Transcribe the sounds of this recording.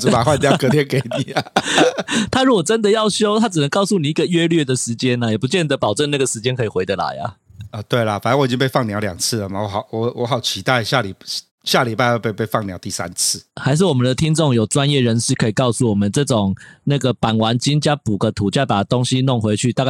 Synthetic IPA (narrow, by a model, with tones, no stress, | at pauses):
ʈ͡ʂ̩˨˦˥pa˨˩xwa˥˧nt̪jkɤ˧t̪ʰjnke˧˩ɪni˨˩ɐ˩ | t̪ʰa˥ɻu˥wɔ˨˩ʈ͡ʂə˦nd̪ə˨jɑ˥˩ʊɕjo˥ʊt̪ʰa˥ʈ͡ʂ̩˨˩nə˧˦ŋkɑ˥˧ʊsu˥˩ni˨˩i˥ɡə˨ɥɛ˦˥lɥɛ˥˩d̪ə˩ʂɻ̩˧˥t͡ɕjɛ˥na˨jɛ˨˩pu˧˦t͡ɕjɛ˥˩nd̪ə˩pɑ˨ʊʈ͡ʂə˥˩˧na˥˩ɡə˩ʂɻ̩˧˥t͡ɕjɛ˥nkʰɤ˧˥i˨˩xwe˧˥ɪə˧la̰˧˦ɪa̰˨ə˧t̪we˥˩ɪlɐ˨˩fa˨˩nə˥nwi˨t͡ɕi˦ŋpe˥˧ɪfɑ˥˩ŋnjɑ˧˥ʊljɑ̰˨˩ŋt͡s̩ʰ˥˩lə˨˩ma˩wɔ˨˦xɑ˨ʊwɔ˧˦wɔ˧˦xɑ˨˩ʊt͡ɕʰi˧˦˥t̪a˥˩ɪɕja˥˩li˨˩ | ɕja˥˩li˨˩pa˥˧o˥˧pe˥˧pe˥˧ɪfɑ˥˩ŋnjɑ˧˥ʊt̪i˥˨sa̰˦nt͡s̩ʰ˥˨xa˧˥ɪʂ̬ɻ̩˥˩wɔ˨˩mə˨˦nd̪ə˩t̪ʰi˦˥ŋʈ͡ʂo˥˨˩ŋjo˨˩ʊʈ͡ʂwa˦njɛ˥˩ɻə˧˥nʂɻ̩˥˩kʰɤ˧˥i˨˩kɑ˥˧ʊsu˥˩wɔ˨˩mə˨˦nʈ͡ʂɤ˥˩ʈ͡ʂʊ˨˩ŋna˥˩ɡə˩pa˨˩nwa˧˥nt͡ɕi˥ŋt͡ɕja˥pu˨˩ɡə˦t̪ʰu˨˩t͡ɕo˥˩pa˨˩t̪o˦ŋɕi˦no˥˩ŋxwe˧˥ɪt͡ɕʰy˥˩t̪a˥˧ka˥